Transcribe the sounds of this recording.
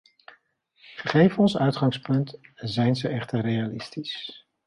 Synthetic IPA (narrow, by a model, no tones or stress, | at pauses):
χəχejvɔnsœɥtχɑŋspɵntzɛjnzəʔɛχtərrejalɪstis